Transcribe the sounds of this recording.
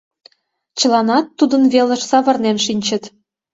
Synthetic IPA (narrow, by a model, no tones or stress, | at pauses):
t͡ɕə̆lˠɑnɑt̪ːud̪ə̆nβelə̆ʃsɑβɤ̆rnenʃinʲt͡ɕə̆t̪